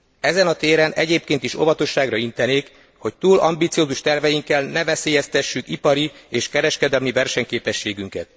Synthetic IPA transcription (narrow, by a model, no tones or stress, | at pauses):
ɛzɛnɒt̪eːɾɛnɛɟeːp̚keːnt̪iʃo̞vɒt̪o̞ʃːaːɡrɒint̪ɛneːk | ho̞ct̪uːlɒ̰mbit̪sijoːzuʃt̪ɛrvɛjiŋkːɛlnɛvɛseːjɛst̪ɛʃːykipɒɾieːʃkɛɾɛʃkɛd̪ɛlmivɛrʃɛɲkeːpɛʃːeːɡyŋkɛt̪̚